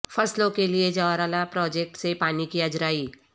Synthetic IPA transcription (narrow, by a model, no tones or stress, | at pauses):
fɐslõkelied͡ʒɔːɾaːlapɾɔːd͡ʒek̚ʈsepaːnikiɐd͡ʒɾaːiː